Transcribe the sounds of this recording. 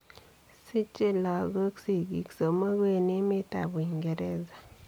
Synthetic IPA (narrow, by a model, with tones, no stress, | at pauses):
si˦t͡ʃi˦la˨ɡə˦ksi˨ɡḭ˨kso˨ma˦ɡe˦ni˦mi˦ta̰˨bi˨ŋɡe˨ɾe˦za˨